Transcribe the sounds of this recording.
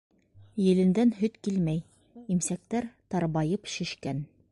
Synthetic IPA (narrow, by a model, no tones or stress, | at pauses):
jɘ̆lɘ̆nd̪ænɦɵt̪kilmæj | imsæk̚t̪æɾt̪ɑɾβɑjɤpʃɘ̆ʃkæn